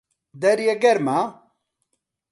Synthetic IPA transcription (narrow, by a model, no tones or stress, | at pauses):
d̪ɛɾjeɡɛɾma